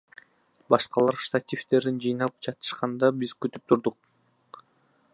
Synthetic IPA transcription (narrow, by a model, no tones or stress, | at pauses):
bɑʃqɑlˠɑɾst̪at̪ʲift̪e̞ɾind͡ʒɯjnɑlˠɯp̚t͡ʃʰɑt̪ɯ̥ʃqɑnd̪ɑbizkyt̪yp̚t̪ʰuɾd̪uq̚